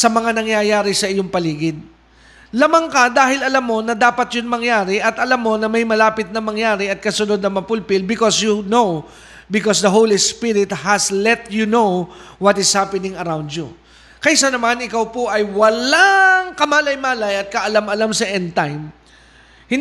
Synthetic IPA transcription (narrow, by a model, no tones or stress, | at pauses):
sɐmɐŋanɐŋjajaːɾɪsɐʔɪjoŋpɐliːɡɪd̪̚ | lamɐŋkɐd̪aːɦɪlɐlamːo̞nɐd̪aːpɐt̪jʊnmɐŋjaːɾɪʔɐt̪ʔɐlamːo̞nɐmɐjmɐlaːpɪt̪̚nɐmɐŋjaːɾɪɐt̪̚kɐsʊnod̪̚nɐmɐpʊlpɪlbɪkɔsjunow | bɪkɔsd̪ɐɦowlispiɾɪt̪̚hɐslɛt̪junowwɔt̪ɪshapɛnɪŋɐɾawnd̪ju | kɐʔsanɐmanɪkawpoʔɐjwɐlaŋkɐmaːlɐjmaːlɐjɐt̪̚kɐʔɐlamɐlamsɐʔɛnt̪ajm | hɪn